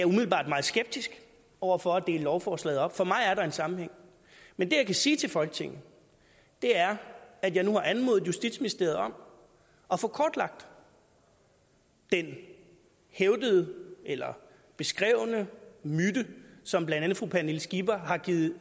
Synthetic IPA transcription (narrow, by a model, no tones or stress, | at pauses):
æɐumiðˠl̩ˠbɑ̰̈ːd̥mɑ̈ːð̩ˠsɡ̥eb̥̚d̥isɡ̥ | ʔɒʊ̰ɐfɒ̽æd̥e̝ːləlɒʊfɒːslɛ̰ːðˠɒ̽b̥fɒ̽mɑ̈ɪæɐɾɑ̈e̝nsɑ̈mm̩heŋ̰ | mend̥e̝jɑɪkʰæsiːt͡sʰe̝lfɒ̽lɡ̥t͡sʰe̝ŋ̰n̩ | d̥e̝æɐæd̥jɑ̈ɪnuhɑ̈ʔænmo̝ð̩ˠjusd̥id̥sminisd̥e̝ɐð̩ˠɒ̽m̰ | ɒ̽fɔ̽kʰɒːd̥lɑ̈ɡ̥̚d̥ | d̥en | heʊd̥əðˠəelɐ | b̥e̝sɡ̥ʁɛʊnəmyd̥əsɒ̽mb̥lænd̥ænð̩ˠfʁuːpʰænelsɡ̥ib̥ɐɦɑ̈ɡ̥iːð̩ˠ